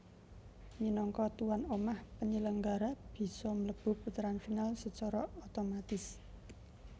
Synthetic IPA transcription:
minɔŋkɔt̪uwanomahpəɲələŋɡaɾab̥i̤sɔmələb̥ʊ̤p̚ut̪ɾanfinalsət͡ʃɔɾɔot̪omat̪ɪs

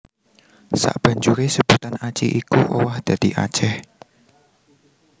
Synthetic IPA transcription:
sa̰ʔb̥ä̤ɲd͡ʒuɾesəb̥ut̪anat͡ʃiʔikuʔowahd̪̥ä̤d̪̥iʔa̰̥t͡ʃɛh

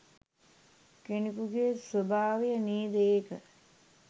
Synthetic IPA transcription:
kenikuɡeːsʋobʱaːʋijəniːd̪əeːkə

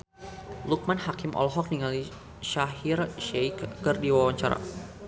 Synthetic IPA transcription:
luk̚manhakɪmʔɔ̰lɦɔk̚niŋali | ʃaɦirʃejkːɨrdiwawaɲt͡ʃaɾa̰

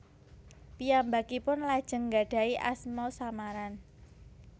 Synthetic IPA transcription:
pijambakipʊnlad̥ʒ̥ə̤ŋɡa̤ɖ̥a̤iʔa̰smɔsamaɾan

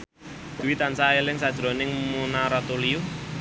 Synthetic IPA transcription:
d̪̥uwit̪ansaelɪŋsad̥ʒ̥ɾo̤nɪŋmunaɾɔt̪uliu

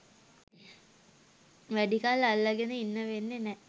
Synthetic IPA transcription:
ʋæɖikalːalːaɡenəinːəʋenːenɛ

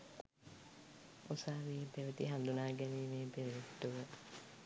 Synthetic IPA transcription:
osaːʋiːpeʋət̪iɦand̪unaːɡɛniːmeːpeʋʋet̪ːuʋə

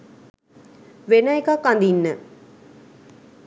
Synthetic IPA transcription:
ʋenəekakːand̪inːə

